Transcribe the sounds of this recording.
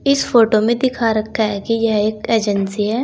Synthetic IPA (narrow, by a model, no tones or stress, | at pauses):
ɪsfoːʈomẽd̪ɪkʰaɾɐkʰaɦɛkijɛɦeːkeːd͡ʒənsiɦɛː